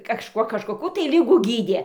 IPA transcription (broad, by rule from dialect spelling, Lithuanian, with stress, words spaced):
kɐˈʃkuɔ kɐʃkoːˈkuː tɐɪ ˈlʲɪɡuː ˈɡʲiːdʲiɛ